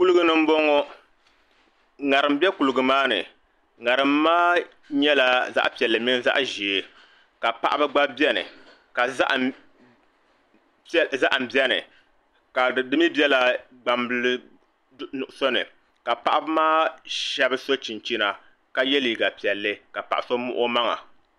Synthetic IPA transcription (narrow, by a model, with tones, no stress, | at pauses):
ku˦lɨ˦ɡɨ˦nɨ˦m̩˦bɔ˦ŋɔ˦ | ŋa˨ɾɨ˨m˦bɛ˦ku˨lɨ˨ɡɨ˨maː˦nɨ̰˨ | ŋa˨ɾɨ˨mːaː˦ | ɲɛ˦la˨za̰˦ʔpi˨ɛ˨lːɨ˨mi˦n˦za̰˦ʔʒi˨e˨ | ka˨pa̰˦ʔa˦bɨ˦ɡ͡ba˦bɛ˦nɨ̰˨ | ka̰˨˦ʔ | za˦ʔm̩˨bɛ˦nɨ̰˨ | ka˨dɨ˦mi˦bɛ˦la˨ | ɡ͡ba˨mblɨ˦ | nʊ˨ʔʊ˨so˦nɨ̰˨ | ka˨pa˦ʔa˦bɨ˦maː˦ʃɛ˦bɨ˦so˦t͡ʃi˨nt͡ʃi˦na˨ | ka˦jɛ˦li˨ɡa˨pi˨ɛ˨lːɨ˦ka˨pa˨ʔa˨so˦mʊ̰˦ʔʊ˦ma˦ŋa̰˨